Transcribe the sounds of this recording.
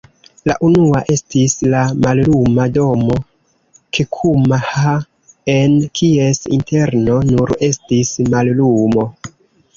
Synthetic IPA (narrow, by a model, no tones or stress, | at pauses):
la̰ʔunuaʔe̞stislamallumado̞mo̞ | kʰekʰumaha | enkʰie̞sḭnte̞ɾno̞nuɾe̞stismallumo̞